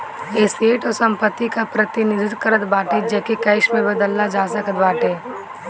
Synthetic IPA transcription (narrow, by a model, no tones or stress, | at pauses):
eːsieːʈɔːɾsɐ̃mpət̪ːikapɾət̪ɪnɪd̪ɪt̪kəɾət̪baːʈed͡ʒɛːkekɐɪʃmẽbɐd̪əlːad͡ʒaːsəkət̪baːʈẽː